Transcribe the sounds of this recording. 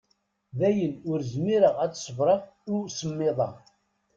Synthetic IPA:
ðæjənʊɾzmiɾəʁæt͡sːsˤəvɾˤɑʁʊsəmːɪðˤɑ

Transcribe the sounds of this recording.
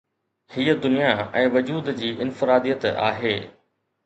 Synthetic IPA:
hiːəd̪ʊnijaɛ̃ːʋɐd͡ʑuːd̪d͡ʑiːʔɪnfɪɾaːd̪ijət̪a̰ːɦeː

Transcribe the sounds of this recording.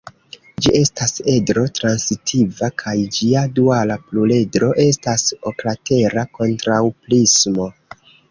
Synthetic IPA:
d͡ʒiʔe̞stase̞dɾo̞tɾansitʰivakʰajd͡ʒiadualaplule̞dɾo̞ʔe̞staso̞klate̞ɾako̞ntɾawplismo̞

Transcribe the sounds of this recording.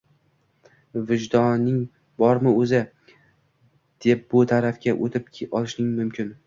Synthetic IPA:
vɪd͡ʒd̪ɒnːɪŋ | bɒɾmɪɵzɪ | d̪̥e̞p̚bʊt̪ʰaɾafkʲaʔot̪ʰɪpʲʰɒlˠɪʃnɪŋmʊmkʲɪn

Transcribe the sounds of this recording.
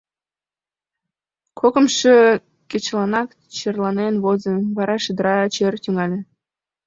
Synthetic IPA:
kʰokə̆mʃe | ket͡ɕlɑnɑk | t͡ɕerlˠɑnenβozə̆βɑɾɑʃə̆d̪əɾɑt͡ɕert̪ʲyŋɑlʲĕ

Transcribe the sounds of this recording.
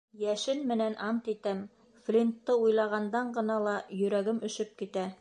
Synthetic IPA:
jæʃɘnmɘ̆nænʔɑmt̪it̪æm | flʲint̪ːɤujlˠɑʁɑnd̪ɑɴɢɤ̆nɑlˠɑjɵ̆ɾæɡɘmɵ̆ʃɵp̚kit̪æ

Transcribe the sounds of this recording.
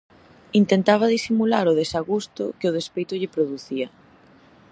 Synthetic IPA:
int̪ent̪aβ̞aðisimulaɾʊðesaɣust̪ʊ̰kɪʊð̞espejt̪ʊʎɪpɾoðuθiɐ

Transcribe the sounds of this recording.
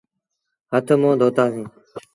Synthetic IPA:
ɦət̪ʰəmõːd̪ʱoːt̪aːsĩː

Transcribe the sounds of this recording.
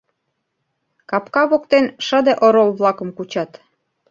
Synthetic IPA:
kɑpkɑβokt̪enʃəd̪eʔoɾolβlɑkə̆mkut͡ɕɑt̪

